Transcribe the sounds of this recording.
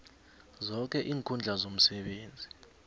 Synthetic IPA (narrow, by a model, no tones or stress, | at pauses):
zɔk̬ɛʔiːŋkʰund͡ɮʱazom̩sɛɓeːnd͡zʱi